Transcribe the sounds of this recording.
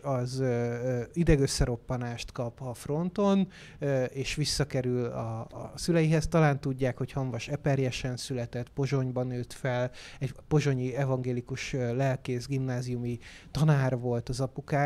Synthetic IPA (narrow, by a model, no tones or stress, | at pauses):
ɒz | id̪ɛɡøsːɛɾo̞pːɒnaːʃt̪kɒpɒfro̞nt̪o̞n | eːʃʋisːɒkɛɾylɒ̰sylɛjiɦɛst̪ɒlaːnt̪uɟːaːkho̞chɒɱvɒʃɛpɛɾjɛʃɛnsylɛt̪ɛt̪po̞ʒo̞ɲbɒnøːt̪fɛlɛɟpo̞ʒo̞ɲiɛvɒŋɡeːlikuʃølɛlkeːzɡimnaːzijumi | t̪ɒnaːrʋo̞lt̪ɒzɒpukaː